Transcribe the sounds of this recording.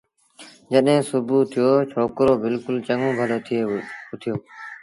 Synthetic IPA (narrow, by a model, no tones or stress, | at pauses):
d͡ʒəɗɦẽːsʊbuːt̪ʰɪjoːt͡ʃʰoːkɾoːbɪlkʊlt͡ʃəŋõːbʱəloːt̪ʰeːʊt̪ʰɪjoː